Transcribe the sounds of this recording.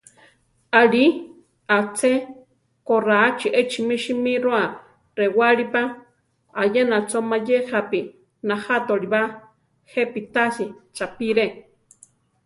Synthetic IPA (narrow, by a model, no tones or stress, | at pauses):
aɺi | at͡sʰe | koraːt͡ʃiʔet͡ʃimiʃimiɾoa | rewaɺipa | ajenat͡somajexapi | nahat̪oɾiβa | xepit̪asit͡sapiɾe